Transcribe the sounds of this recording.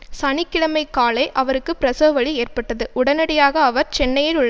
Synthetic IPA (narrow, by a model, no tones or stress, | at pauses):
sɐɳɪkːɪɭɐmɐɪkːaːlɐɪʔɐʋɐɾɯkːɯpɪɾɐsoːʋɐɭieːrpɐʈːɐðɯʊɽɐnɐɽɪjaːɣɐːʋɐɾt͡ʃɛnːɐjɪlʊɭː